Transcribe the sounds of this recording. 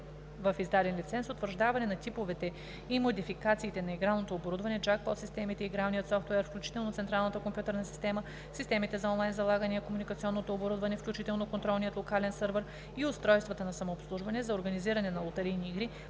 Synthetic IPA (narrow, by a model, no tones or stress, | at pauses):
vɐfizd̪ad̪ɛnlit̪sɛnsot̪vəɾʒd̪avɐnɛnɐt̪ipovɛt̪ɛ | imod̪ifikat̪siːt̪ɛnɐiɡɾalˠnot̪oːboɾud̪vɐnɛd͡ʒak̚pɔt̪sist̪ɛmit̪ɛiɡɾalnijət̪sɔft̪wɛɛɾfklʲut͡ʃi̥t̪ɛlˠnot̪sɛnt̪ɾalˠnət̪əkompjut̪ɛɾnɐsi̥st̪ɛmə | sist̪ɛmit̪ɛzɐɔnlˠajnzɐlˠaɡɐnɛɐkomunikɐt̪siɔnːot̪oːboɾud̪vɐnɛfklʲut͡ʃit̪ɛlˠnokont̪ɾɔlˠnijət̪lˠokalɛnsɤɾvəɾ | iʊst̪ɾɔjst̪vɐt̪ənɐsɐmoːpslˠuʒvɐnɛzɐoɾɡɐniziɾɐnɛnɐlˠot̪ɛɾijniiɡɾi